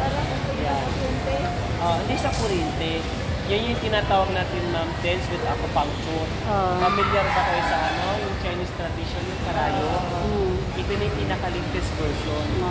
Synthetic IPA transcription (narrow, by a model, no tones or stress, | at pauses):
paɾɐɐ | ja | ɛnt̪ɛ | ʔoʔɐd̪isɐkoɾɛnt̪ɛ | jɐnjʊŋt̪ɪnaːt̪aːwɐɡ̚naːt̪ɪnmamt̪ɛnswɛt̪akopaŋt͡ʃo | pɐmɪljɐɾbɐkɐjosɐʔɐnojʊŋt͡ʃajnist̪ɾɐd̪iʃonɐkɐɾaːjo | ʔɪpɪnɐjpinɐkɐlɪŋt̪ɛsbɛɹʃon